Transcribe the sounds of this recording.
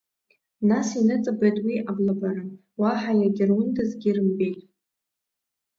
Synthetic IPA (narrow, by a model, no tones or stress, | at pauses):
nasinɨt͡sʼabajtʼwiʔablabaɾɨ | waħajaɡʲɪrwʊndazɡʲɪrɨmbejtʼ